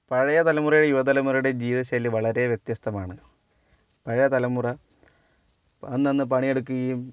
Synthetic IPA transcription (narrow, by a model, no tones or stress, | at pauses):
pɐɻɐjɐt̪ɐlɐmurɐjuɽejuʋɐd̪ɐlɐmurɐjuɽe̞d͡ʑiːðɐɕɐlːiʋɐɭɐɾe̞ʋjet̪jɐst̪ɐmaːɳɨ | pɐɻɐjɐt̪ɐlɐmːurɐ | ɐnːɐnːɨp̬ɐɳije̞ɽukːuɣɐjum